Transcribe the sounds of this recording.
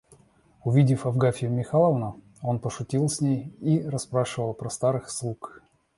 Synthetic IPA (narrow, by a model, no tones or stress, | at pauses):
ʊvʲidʲɪfɐvɡafʲɪʊmʲɪxalˠəvnə | o̞npəʂʊtʲilˠsʲnʲejirɐspɾaʂɨvəlˠpɾɐst̪aɾɨxslˠuk